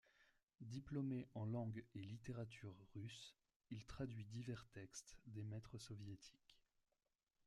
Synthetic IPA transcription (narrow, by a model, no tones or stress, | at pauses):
d̪iplɔmeʔɑ̃lɑ̃ɡelit̪eʁat̪ʰyʁːys | ilt̪χad̪ɥid̪ivɛʁt̪ɛkst̪d̪emɛt̪χəsɔvjet̪ʰi̥k